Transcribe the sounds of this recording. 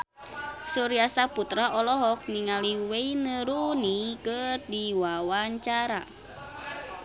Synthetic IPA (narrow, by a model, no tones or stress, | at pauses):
suɾiasaput̪ɾaʔɔlɔɦɔk̚niŋaliweinəɾunikərdiwawaɲt͡ʃaɾa